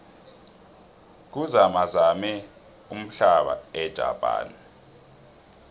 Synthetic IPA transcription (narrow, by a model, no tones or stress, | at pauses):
k̬uzamazamɛ | um̩ɬaɓa̰ɛd̥ʒ̥ʱa̰pʼa̰ːna